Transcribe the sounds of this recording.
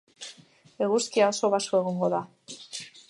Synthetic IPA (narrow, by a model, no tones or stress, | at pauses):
e̞ɣuskiaoso̞βasoe̞ɣ̞oŋɡo̞ða